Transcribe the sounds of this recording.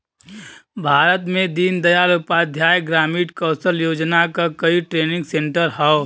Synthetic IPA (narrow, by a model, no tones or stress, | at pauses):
bʱaːɾət̪mẽd̪iːnd̪əjaːlʊpad̪ʱjaːjɡɾaːmiːʈkɔːsəljoːd͡ʒnakakɐiʈɾeːnɪ̃ŋɡsẽɳʈəɾɦɛo